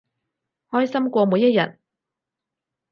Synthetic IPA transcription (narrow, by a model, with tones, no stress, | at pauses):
hɔː˥jsɐ˥mkʷɔː˧muː˨˧jːɐ˥t̚jɐ̰˨˩t̚